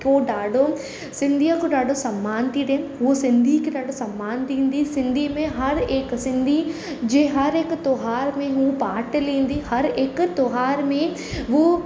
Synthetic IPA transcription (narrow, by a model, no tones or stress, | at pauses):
koɗaːɖʱo | sɪ̃nd̪ʱiəkoɗaːɖʱosɐmːaːnt̪ʰideɦuosɪ̃nd̪ʱikeɗaːɖʱosɐ̃mːaːnt̪ʰĩːn̆d̪isɪ̃nd̪ʱimẽɦɐɾeksɪ̃nd̪ʱi | d͡ʑeːɦɐɾekt̪oːɦaːɾmẽɦupaːʈəlĩːn̆d̪ihɐɾɪkt̪oːɦaːɾmẽ | ʋo